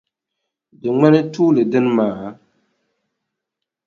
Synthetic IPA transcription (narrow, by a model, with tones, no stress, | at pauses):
dɨ˨ŋ͡mɛ˦nɛ˦tuː˦lɨ˨dɨ˦n˦maː˨˦